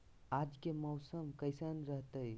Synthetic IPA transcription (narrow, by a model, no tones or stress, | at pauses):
ad͡ʒkeməwsəmkəɪsənɾəɦt̪əj